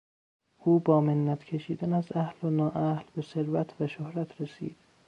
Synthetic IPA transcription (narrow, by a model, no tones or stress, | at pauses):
ʔuːbɒːmenːæt̪ʰcʰe̞ʃiːd̪ænæzæhlonɒːʔæhlbe̞se̞ɾvæt̪ʰvæʃohɾæt̪ʰɾesḭːd̪̥